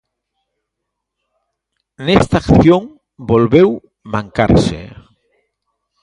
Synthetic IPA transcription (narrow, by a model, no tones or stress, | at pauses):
nest̪akθjoŋ | bolβew | mãŋka̰ɾsḛ